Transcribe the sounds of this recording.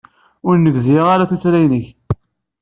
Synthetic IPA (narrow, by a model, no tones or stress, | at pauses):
ʊɾnːəɡzjʁaɾaθut͡sɾæjnəç